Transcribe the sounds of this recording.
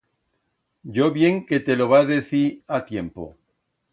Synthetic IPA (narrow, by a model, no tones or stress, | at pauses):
ɟ͡ʝoβje̞ŋket̪eloβ̞aðeθiɾat̪je̞mpo̰